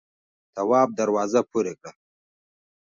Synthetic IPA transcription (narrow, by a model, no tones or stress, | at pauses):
t̪awɑːb̚d̪aɾwɑːzapʰuɾekɽa